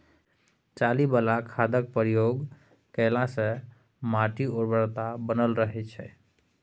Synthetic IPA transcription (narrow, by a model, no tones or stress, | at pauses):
t͡ʃalibəlakʰad̪ək̚pəɾijoɡ | kəlãsə̃ | maʈioɾbəɾt̪abənəlɾəɦɛt͡ʃʰɛ